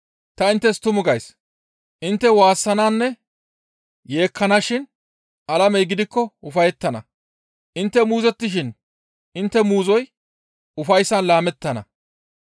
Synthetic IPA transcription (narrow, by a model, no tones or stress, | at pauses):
t̪ɐɪnt̪ːɛst̪ʊmʊɡɐjs | ʔɪnt̪ːɛwaːsːɐnaːnːɛ | je̞ːkʰːɐnɐʃɪn | ʔɐlɐmɛjɡɪd̪ɪkːɔʊfɐjɛt̪ːɐnɐ | ʔɪnt̪ːɛmuːzɛt̪ːɪʃ̬ɪn | ʔɪnt̪ːɛmuːzɔj | ʊfɐjsːɐnlaːmɛt̪ːɐnɐ̰